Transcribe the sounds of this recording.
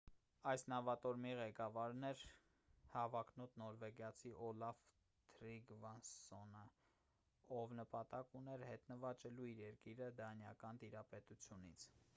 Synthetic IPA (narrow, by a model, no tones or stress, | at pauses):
ɑjsnɑvɑt̪ɔɾmiʁɛkɑvɑɾnɛɾ | hɑvɑkʰnɔt̪nɔɾvɛɡjɑt͡sʰiʔɔlɑv | t̪ʰɾiɡvɑnsɔnə | ɔvnəpɑt̪ɑkunɛɾhɛt̪nəvɑt͡ʃɛluiɾɛɾkiɾəd̪ɑnjɑkɑnt̪iɾɑpɛt̪ut͡sʰjunḭt͡sʰ